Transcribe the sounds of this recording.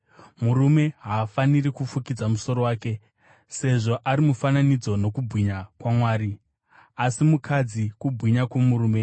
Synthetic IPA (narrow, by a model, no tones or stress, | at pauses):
muɾume̞ɦaːfanirikufukid͡zamuso̞ɾo̞waːke̞ | se̞ʐo̞ʔaɾimufananid͡zo̞no̞kubʱwiɲakwamwaːɾi | asimukʰad͡zikubʱwiɲakwomuɾuːme̞